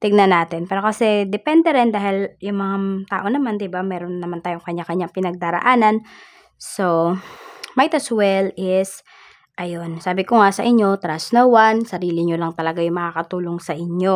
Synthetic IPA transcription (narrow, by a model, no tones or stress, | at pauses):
t̪ɪɡ̚nɐnaːt̪ɪnpɛːɾokɐsɛd̪ɛpɛnd̪ɛɾɪnd̪aːhɪljʊŋmɐŋat̪a̰ːʔo̞nɐmand̪ɪbamɛːɾo̞nːɐmant̪aːjoŋkɐɲːakɐɲaŋpɪnɐɡ̚d̪aːɾɐ̰ʔaːnɐn | so | majt̪ɐswɛlɪs | ʔɐjonsaːbɪkoŋasɐʔɪɲːo̞t̪ɾasnowansɐɾiːlɪɲolaŋt̪ɐlɐɡajʊŋmɐkaːkɐt̪uːloŋsɐʔɪɲo̞